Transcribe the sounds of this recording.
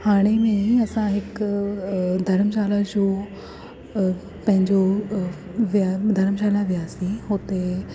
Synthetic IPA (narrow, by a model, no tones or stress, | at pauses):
haːɽ̃emẽɐsãɦɪk | d̪ʱɐɾəmʃaːlad͡ʑoː | pɐ̃ɦɪ̃ɲd͡ʑo | ʋiad̪ʱɐɾəmʃ̬aːlaʋijaːsĩɦot̪e